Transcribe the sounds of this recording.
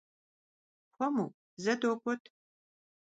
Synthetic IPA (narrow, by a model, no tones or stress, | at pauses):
xʷɔmṵː | zɐdoːpʷʼɔtʰ